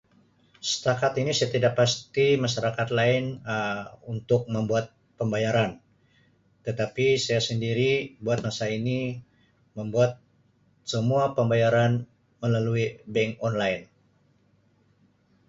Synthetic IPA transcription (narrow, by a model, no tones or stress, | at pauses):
sə̥t̪akat̪inisaat̪idak̚past̪imaʃaɾakat̪laɪn | unt̪ʊk̚məmbuat̪̚ | pəmbajaɾan | t̪ət̪apisajasəndiɾibuat̪̚masaini | məmbuat̪̚ | səmuapəmbajaɾan | məlaluibɛŋkɔnlaɪn